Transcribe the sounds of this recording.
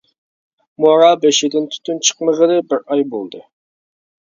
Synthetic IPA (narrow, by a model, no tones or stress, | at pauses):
moɾɑbɛʃɪd̪ɪnt̪ʰy̥t̪ynt͡ʃʰə̥qməʁəd̪ɨbɪɾɑjbolˠd̪ɨ